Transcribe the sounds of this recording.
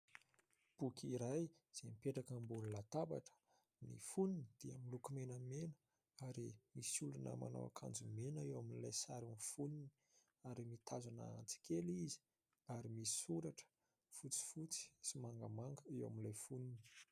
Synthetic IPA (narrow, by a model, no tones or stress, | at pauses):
b̥ukʰʲiɾaj | z̥emipeʈ͡ʂakəmbuɾlat̪aba̰ʈ͡ʂə̥ | nḭfunini̥d̪̥iamilukumenəmenə̥ | aɾimisulunə̰ma̰na̰wa̰kʰa̰nd͡zumenəewaminilajsaɾunfunini | aɾimit̪ʰazana̰a̰nt͡si̥kʰelizi̥ | aɾimisi̥uɾaʈ͡ʂə̥ | fut͡si̥fut͡si̥simaŋɡəmaŋɡəewa̰minlajfunini̥